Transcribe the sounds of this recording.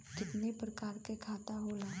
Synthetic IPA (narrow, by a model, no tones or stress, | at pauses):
d͡ʒɪt̪nepɾəkaːɾkekʰaːt̪aɦoːlaː